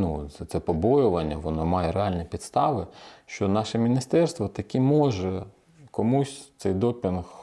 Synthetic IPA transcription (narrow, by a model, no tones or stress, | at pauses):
nuɛt̪sɛpɔbɔjʊʋɐnʲːɐʋɔnɔmɑjɛɾeɑlʲnʲipʲit̪st̪ɑʋɪʃt͡ʃɔnɑʃɛmʲinʲist̪ɛrst̪ʋɔt̪ɐkʲɛmɔʒɛ | kɔmusʲt̪sɛjd̪ɔpʲɪnx